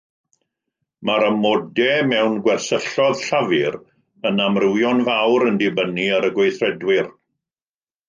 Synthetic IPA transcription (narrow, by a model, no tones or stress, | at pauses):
maɾəmɔdɛmɛwnɡwɛrθəɬɔðɬavɪɾ | ənamrɪwjɔnvawɾəndɪbəniaɾəɡwejθrɛdwɪr